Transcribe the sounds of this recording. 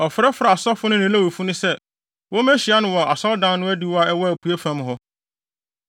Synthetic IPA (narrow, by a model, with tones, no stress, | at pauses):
ɔ˨fɾɛ˦fɾa˨a˨sɔ˦fʊ˦nʊ̃˦nɪ̃˦læ˦˨wo˨fu˦nʊ̃˦sɛ˦ | wɔ˦mɛ̃˦ɕi˨a˦nʊ̃˦wɔ˨ʔa˨sɔ˦ldã˦n˦nʊ̃˦æ˦di˦wɔ˦a˦ɛ˦wɔ˦æ˨ku˨æ˦fæ̃˦mɦɔ˦